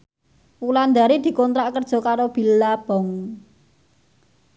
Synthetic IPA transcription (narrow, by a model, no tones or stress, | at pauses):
wuland̪aɾid̪̥i̤kɔnt̪ɾaʔkərd̥ʒ̥ɔ̤kaɾob̥i̤llab̥ɔ̤ŋ